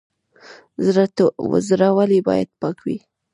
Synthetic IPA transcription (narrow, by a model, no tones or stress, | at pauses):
zɾat̪owə̰zɾawalibɑ̰ja̰d̪̚pɑkwḭ